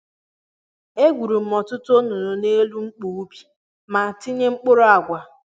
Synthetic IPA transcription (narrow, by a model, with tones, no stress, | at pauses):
e˦ɡʷu˨ɾu˨m̩˨mɔ˨tʊ˦to˦nu˨nʊ˨ne˦lu˦ŋ͡m̩˦k͡pu˨u˦bi̥˦ | ma˨ti˦ɲe˦ŋ͡m̩˦k͡pʊ˦ɾʊ˦a˨ɡʷa˨